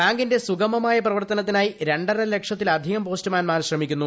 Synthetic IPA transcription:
baːŋɡinde̞suɡɐmɐmaːjɐprɐʋɐrt̪ɐnɐt̪̬ːinaːjiɾe̞ɳɖɐɾɐle̞kʂɐt̪ːilɐd̪ʱiɣɐmpo̞ːstɨmaːnmaːnɕrɐmikʲːunːu

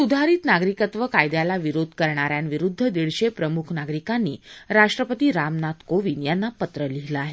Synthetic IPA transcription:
sud̪ʱaɾiːt̪naɡɾikət̪ʋəkajd̪jalaʋiɾod̪ʱkəɾɳaɾjanʋiɾud̪ʱːəd̪iɭɕepɾəmukʰnaɡɾikanːiːɾaʂʈɾəpət̪iɾamnat̪koʋinjanːapət̪ɾəliɦlaaɦe

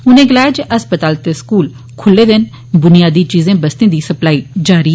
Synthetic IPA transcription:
ʊnẽːɡɪlaːjd͡ʒʔəspət̪aːlt̪eskuːl | kʰʊlːeːd̪ɪn | bʊnɪjaːd̪iːt͡ʃiːzẽːbəst̪ẽːd̪iːsəplaːid͡ʒaːɾiː

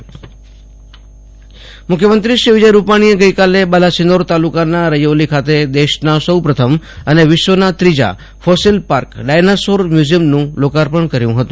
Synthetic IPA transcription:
mʊkʰjəmənt̪ɾiʃɾiʋɪd͡ʒəjɾupaɽ̃ijeɡəjkalebalasinoɾt̪alukanaɾəjolikʰat̪ed̪eʃnasəwpɾət̪ʰəməneʋɪʃʋənat̪ɾid͡ʒa̰ | fosilpaɾkɖajnasoɾmjuziəmnũlokaɾpəɳkəɾjũɦət̪ũ

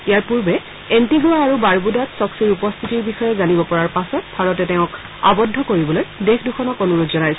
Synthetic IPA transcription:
ijaɹpuɹbɛ | entiɡuaaɹubaɹbudatsɔksiɹupɔst̪ʰitiɹbixɔjɛzanibɔpɔɹaɹpasɔt̚bʱaɹɔtɛtɛʊ̃k | a̰bɔdʱːɔkoɹibɔlojdexʰduxʰɔnɔkonuɹodzɔnajsɛ

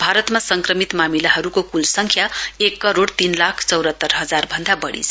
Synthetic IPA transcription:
bʱaɾʌt̪masʌŋkrʌmit̪mamilaɦʌɾukokulsʌŋkʰjaekːʌɾoɽt̪inlakʰt͡sʌwɾʌt̪ːʌrɦʌd͡zarbʱʌnd̪abʌɽḭt͡sʰ

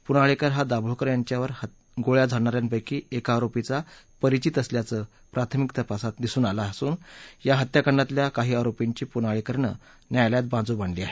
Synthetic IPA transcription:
punaɭekəɾɦad̪abɭokəɾjaɲt͡ɕjaʋəɾh | ɡoɭjad͡zʱaɽɳaɾjanpəjkiːekaːɾopit͡sa | pəɾit͡ɕit̪əsljat͡səː | pɾat̪ʰəmikt̪əpasat̪d̪isuːnalaːsuːnjaɦət̪jakəɳɖat̪ljakaɦiːaɾopeɲt͡ɕiːpunaɭekəɾɳə̰ | njajljat̪̚bãnd͡zuːbʱaɳliːaɦe

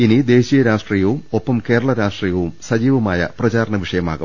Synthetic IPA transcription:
inid̪e̞ːɕijɐɾaːʂʈriːjɐʋumo̞pːɐmke̞ːɾɐɭɐɾaːʂʈriːjɐʋumsɐd͡ʑiːʋɐmaːjɐ̰prɐt͡ɕaːɾɐɳɐʋiʂɐjɐma̰ːɣṵm

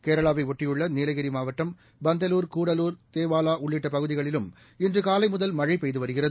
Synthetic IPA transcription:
keːɾɐɭaːʋɐɪʋɔʈːɪjɯɭːɐneːlɐɣɪɾimaːʋɐʈːɐm | bɐnd̪ɐluːɾkuːɽɐluːɾt̪eːʋaːlaːʔʊɭːɪʈːɐpɐɣɯðɪɣɐɭɪlɯm | ɪndrɯkaːlɐɪmʊðɐlmɐɻɐɪpejðɯʋɐɾɯɣɪrɐðɯ

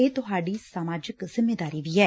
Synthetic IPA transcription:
eːt̪ʊɦaːɖiːsamaːd͡ʒəkzɪmːeːd̪aːɾiʋiːɛː

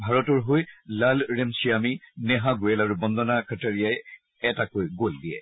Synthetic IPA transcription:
bʱaɹɔtɔɹɦojlalɹemsiaminɛɦãɡojɛlaɹubɔnd̪ɔnakʰataɹijaj | ɛtakojɡoldiɛ̰

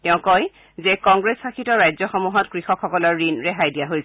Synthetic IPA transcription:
tɛʊ̃kɔj | zɛkɔŋɡɹesxakʰitɔɹajzɔxɔmuɦɔtkɹixɔkʰːɔkɔlɔɹːinɹɛɦajdijaɦojs

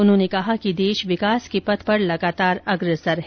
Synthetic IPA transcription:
ʊnɦõːnekɐɦakid̪eːʃʋɪkaːskepɐt̪pɐɾlɐɡaːt̪aːɾɐɡɾəsəɾɦɛ

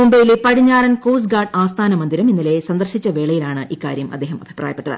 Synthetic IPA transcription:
mumbejilepɐɽiɲːaːrɐnkoːs̬ɡaːrɖaːst̪ʰaːnɐmɐnd̪iɾɐminːile̞sɐnd̪ɐrʂit͡ɕːɐʋe̞ːɭɐjilaːɳɨʔikːa̰ːɾjɐmɐd̪ːeːɦɐmɐ̰bʱi̥pra̰ːjɐpːeʈːɐðɨ̰

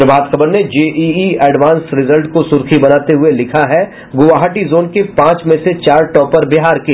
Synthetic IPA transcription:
ɾbaːt̪kʰɐbəɾned͡ʒeːʔiiɛːɖʋaːnsɾɪzəlʈkosʊɾkʰibɐnaːt̪eɦʊelɪkʰaɦɛ | ɡʊʋaːɦaʈizoːnkepãːt͡ʃmẽset͡ʃaːɾʈɔːpɐɾbeɦaːɾke

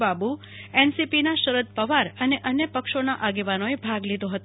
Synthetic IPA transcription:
babu | ɛnsipinaʃəɾəd̪̚pəʋaɾəneʔənjəpəkʃonaʔaɡeʋanoebʱaɡlid̪oɦət̪

